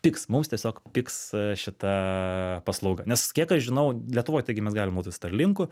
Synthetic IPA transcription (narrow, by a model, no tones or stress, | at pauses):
pʲɪksmʊmst̪ʲɛsʲoːkpʲɪksʃʲɪt̪ɐpɑslˠɐʊɡɐnʲɛskʲiɛkɐʃʒʲɪnɐʊlʲiɛt̪ʊʋoːjt̪ɐɪɡʲɪmʲɛsɡɑːlʲɪmbuːt̪ʋʲɪst̪ɐɾʲlʲɪŋkʊ